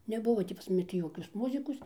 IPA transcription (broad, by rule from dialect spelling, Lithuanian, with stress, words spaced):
nʲɛˈbʊʋoː tʲiː pɐs mɐˈnʲɪ tʲiː ˈjoːkʲoːs ˈmʊzʲɪkoːs